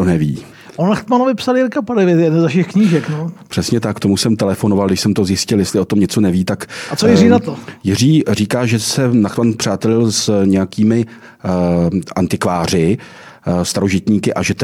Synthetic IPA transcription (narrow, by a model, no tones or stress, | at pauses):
onɛviː | ʔonlaxt̪manovɪpsaljɪɾkapaɾɛvɪɛt̪jɛdɛnzɛfʃɛxkɲiːʒɛknopr̥ɛsɲɛt̪akt̪omusɛmt̪ɛlɛfo̞no̞valɡdɪʃsɛmt̪o̞zjɪscɪljɛst̪lɪo̞t̪o̞mɲɛt͡so̞nɛviːt̪akat͡sojɪriːnat̪ojɪriːriːkaːʒɛsɛnaxt̪manpr̥aːt̪ɛlɪlsɲɛjakiːmɪ | ʔant̪ɪkvaːr̝ɪ | st̪aɾo̞ʒɪt̪ɲiːkɪʔaʒɛ